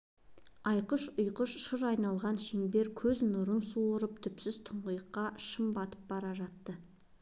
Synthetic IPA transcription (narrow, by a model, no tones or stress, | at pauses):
ɑjqəʃʊjqəʃʃəɾɑjnɑlˠʁɑnʃeŋbe̞ɾkʲʰɵznʊɾənsuɾəp̚t̪ʰʏpsɪzt̪ʰʊɴʁəjqːɑʃəmbɑt̪ə̥p̚bɑɾɑʒɑt̪ːə